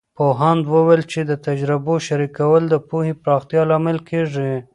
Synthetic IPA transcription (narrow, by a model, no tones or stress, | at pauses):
poɦand̪wəwelt͡ʃed̪ət̪ad͡ʒɾɪboʃaɾikawəld̪əpuhepɾɑxt̪ijɑlɑmɪlkʰeʐi